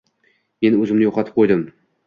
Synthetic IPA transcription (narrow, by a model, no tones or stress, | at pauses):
me̞nɵzɪmnɪjoqʰɑt̪ʰɪ̥p̚qʰojd̪ɪm